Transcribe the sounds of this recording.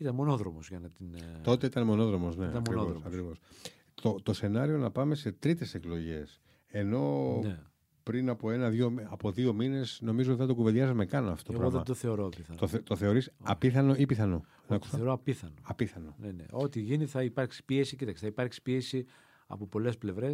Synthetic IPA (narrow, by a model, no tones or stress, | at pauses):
it̪ɐnmo̞no̞ðɾomozʝɐnɐt̪int̪o̞t̪eit̪ɐnemo̞no̞ðɾo̞mosnet̪ɐmkoɾvnoðosɐkɾivos | t̪ot̪o̞se̞nɐɾio̞nɐpɐme̞se̞t̪ɾit̪e̞seklo̞ʝe̞s | e̞no̞ne | pɾinɐpoe̞nɐðoɐpo̞ðio̞mine̞sno̞mizot̪iθɐt̪okuved̪ʝɐzmekɐnoɐftoooɣɾoððemt̪oθe̞oɾoɐpiθɐnt̪ot̪oθe̞o̞ɾisɐpiθɐno̞ipiθɐnonɐku̥soɾoɐpiθɐnoɐpiθɐno̞nenḛo̞t̪iʝiniθɐipɐɾksi̥pie̞sicit̪ɐkse̥θɐipɐɾksi̥pie̞si | ɐ̰popo̞le̞sple̞vɾe̞s